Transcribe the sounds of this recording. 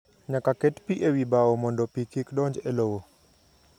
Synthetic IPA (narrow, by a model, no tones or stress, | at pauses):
ɲakaket̪piʔewibaomɔndopikikɗɔɲd͡ʒelowo